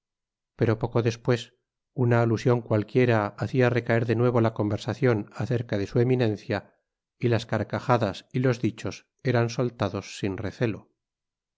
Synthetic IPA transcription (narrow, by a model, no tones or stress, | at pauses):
pe̞ɾo̞po̞ko̞ðe̞spwe̞s | unaːlusjo̞ŋkwalkje̞ɾaːθiare̞kae̞ɾðe̞nwe̞β̞o̞lako̞mbe̞ɾsaθjo̞naθe̞ɾkaðe̞sue̞minẽ̞nθja | ilaskaɾkaxaðasilo̞zðit͡ʃo̞s | e̞ɾanso̞lt̪aðo̞sːinre̞θe̞lo̞